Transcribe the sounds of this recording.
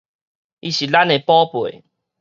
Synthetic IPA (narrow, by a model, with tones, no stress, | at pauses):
ʔi˧ɕi˨la˦ne˧pɔ˦pwe˨˩˨